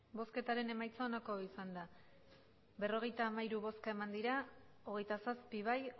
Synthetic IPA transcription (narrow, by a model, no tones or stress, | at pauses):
bo̞ske̞t̪aɾe̞ne̞majt͡saonako̞isand̪a | be̞ro̞ɣ̞e̞jt̪aːmaiɾuβo̞skae̞mand̪iɾao̞ɣ̞e̞jt̪asaspiβ̞aj